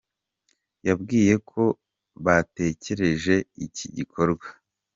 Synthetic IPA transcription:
jabɡiːje̞kʰo̞ | βate̞ce̞ɾe̞ʒe̞icḭɟikʰo̞ɾɡwa

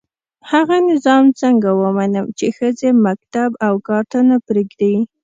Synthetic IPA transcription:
haɣanɪzɑmt͡səŋɡawəmanəmt͡ʃexəzemak̚t̪abawkɑɾt̪anapɾeɡd̪ai

